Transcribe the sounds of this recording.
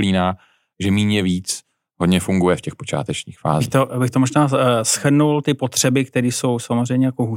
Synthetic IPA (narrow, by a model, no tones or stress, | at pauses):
liːnaː | ʒɛmiːɲɛviːt͡s | ɦodɲɛfuŋɡujɛfcɛxpo̞t͡ʃa̰ːt̪ɛt͡ʃɲiːxfa̰ːzt̪obɪxt̪omo̞ʒnaːsxr̩nult̪ɪpo̞t̪r̝̥ɛbɪk̚t̪ɛɾiːso̞wsamozrɛjmɲɛjakoɦu